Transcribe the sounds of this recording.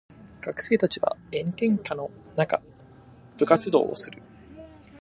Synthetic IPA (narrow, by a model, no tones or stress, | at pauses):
ɡ̥akɯ̟̥se̞ːt̪at͡ɕiβa̰ẽ̞nt̪ẽ̞ŋkano̞naka̰ | b̥ɯ̟kat͡sɨd̪o̞̰ːosɨɾɯ̟